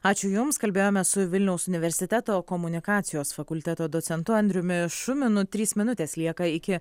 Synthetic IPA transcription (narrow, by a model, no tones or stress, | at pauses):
ɑːt͡ʃʲʊjʊmskɐlʲbʲeːjoːmʲɛsʊʋʲɪlʲnʲɛʊsʊnʲɪʋʲɛɾʲsʲɪt̪ʲɛt̪oːkomʊnʲɪkɑːt̪sʲɪjoːsfɐkʊlʲt̪ʲɛt̪oːd̪oːt̪sʲɛnt̪ʊɐnʲd̪ʲɾʲʊmʲɪʃʊmʲɪnʊt̪ʲɾʲiːsmʲɪnʊt̪ʲeːslʲiɛkɐɪkʲɪ